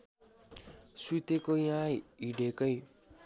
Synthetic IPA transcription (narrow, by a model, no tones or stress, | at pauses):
sut̪ekojãiɖekʌj